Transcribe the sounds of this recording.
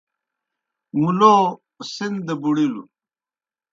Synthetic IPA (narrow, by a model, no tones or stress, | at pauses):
muloː | sind̪ebuɽilṵ